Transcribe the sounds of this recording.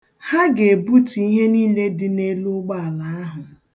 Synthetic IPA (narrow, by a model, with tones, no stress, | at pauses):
ha˦ɡe˨bu˦tu˨i˦ɦe˦niː˦le˦dɪ˦ne˦lu˦ɡ͡ba˦a˨la˨˦a˦ɦʊ˨